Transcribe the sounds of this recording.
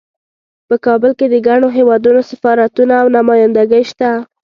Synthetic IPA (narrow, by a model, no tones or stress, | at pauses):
pəkɑbəlked̪əɡaɳoɦewɑd̪unosafɑɾat̪unaːwnamɑjand̪aɡəjʃt̪a